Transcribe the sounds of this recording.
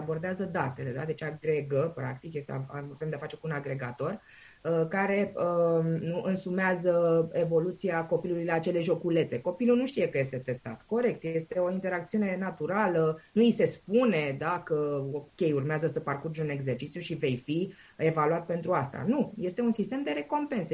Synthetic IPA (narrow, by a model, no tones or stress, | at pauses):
abo̞rd̪eazəd̪at̪e̞le̞d̪ad̪e̞t͡ʃaɡɾeɡəpɾa̰k̚t̪ikjesa̰aave̞md̪eafat͡ʃe̞kuunaɡɾe̞ɡat̪o̞r | əkaɾe̞ənuʔɨnsumeazəe̞vo̞lut̪siako̞piluluileat͡ʃe̞le̞ʒo̞kule̞t̪se̞ko̞pilunuʃt̪ijekəje̞st̪e̞t̪e̞st̪a̰t̪ko̞ɾe̞k̚t̪je̞st̪e̞o̞int̪e̞ɾak̚t̪siune̞nat̪uɾalənuise̞spune̞d̪akəokʲe̞jurmeazəsəparkurd͡ʒeune̞ɡze̞rt͡ʃit̪sjuʃive̞jfi | e̞valuat̪̚pe̞nt̪ɾuast̪a̰nuje̞st̪e̞unsist̪e̞md̪e̞ɾe̞ko̞mpe̞nse